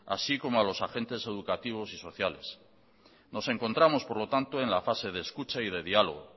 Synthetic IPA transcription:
a̰siko̞moalo̞saxe̞nt̪e̞se̞ð̞ukat̪iβ̞o̞siso̞θjale̞s | no̞se̞ŋko̞nt̪ɾamo̞spo̞ɾlo̞t̪ant̪oe̞nlafase̞ð̞eːskut͡ʃaið̞e̞ðialo̰ɣ̞o

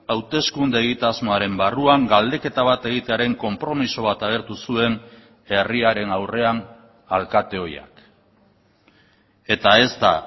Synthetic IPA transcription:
awt̪e̞skund̪eːɣit̪azmo̞aɾe̞mbaruaŋɡald̪e̞ke̞t̪aβ̞at̪e̞ɣit̪e̞aɾe̞ŋko̞mpɾo̞miso̞β̞at̪aɣ̞e̞ɾt̪usue̞n | e̞riaɾe̞nawre̞an | alkat̪e̞o̞ja̰k | e̞t̪ae̞zt̪a

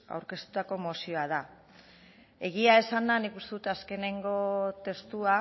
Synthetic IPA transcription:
a̰wɾke̞st̪u̥t̪ako̞mo̞sio̞að̞a | e̞ɣiae̞sand̪anikust̪e̞ðut̪aske̞ne̞ŋɡo̞t̪e̞st̪ua

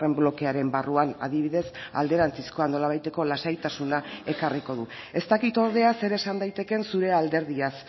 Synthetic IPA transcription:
re̞mblo̞ke̞aɾe̞mbaruana̰ðiβiðe̞sa̰ld̪e̞ɾant͡sisko̞ano̞laβ̞ajt̪e̞ko̞lasajt̪asunae̞kariko̞ðue̞st̪akit̪o̞ɾðe̞ase̞ɾe̞sand̪ajt̪e̞ke̞nsuɾe̞ald̪e̞ɾð̞ias

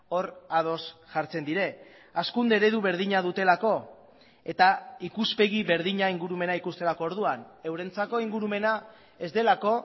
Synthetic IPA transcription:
o̞ɾað̞o̞sʝaɾt͡se̞nd̪iɾe̞ | askund̪eɾe̞ðuβ̞e̞ɾð̞iɲað̞ut̪e̞lako̞ | e̞t̪aikuspe̞ɣiβe̞ɾðiɲaiŋɡuɾume̞naikust̪e̞lako̞ːɾð̞uane̞wɾe̞nt͡sako̞iŋɡuɾume̞na | e̞zd̪e̞lako̞

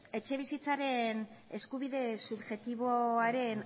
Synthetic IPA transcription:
e̞t͡ʃe̞β̞isit͡saɾe̞ne̞skuβiðe̞suβʝe̞t̪iβo̞aɾe̞n

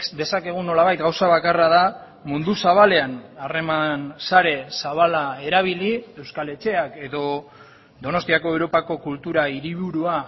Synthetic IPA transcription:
d̪e̞sake̞ɣ̞uno̞laβajt̪ɡawsaβakaraða | mund̪usaβale̞anare̞mansaɾe̞saβalae̞ɾaβ̞ilie̞wskale̞t͡ʃe̞ake̞ðo̞ | d̪o̞no̞st̪iako̞ewɾo̞pako̞kult̪uɾaiɾiβuɾua

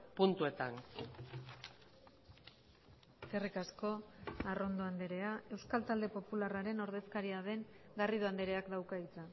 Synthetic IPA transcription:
punt̪ue̞t̪an | kerikasko̞aro̞nd̪o̞and̪e̞ɾe̞ae̞wskalt̪ald̪e̞po̞pularaɾe̞no̞ɾðe̞skaɾiaðe̞ŋɡariðoand̪eɾe̞akd̪awkaðit͡sa

